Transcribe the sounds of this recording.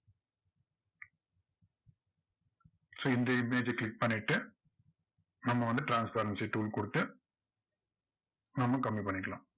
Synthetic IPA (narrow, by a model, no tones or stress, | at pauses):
soːɪnd̪ɐɪmeːd͡ʒklɪk̚pɐɳːɪʈːɯ | nɐmːɐʋɐnd̪ɯʈɾaːnspɐɾɐnsiʈuːlkɔɽɯt̪ːɯ | nɐmːɐkɐmːipɐɳːɪkːɐɭã̰ː